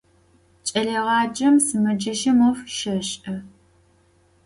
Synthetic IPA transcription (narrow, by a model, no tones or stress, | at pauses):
t͡ʃʼɐɮeːʁɑːd͡ʒɐmsɨmɐd͡ʒɐʃɐmofʃɐɕʔɐ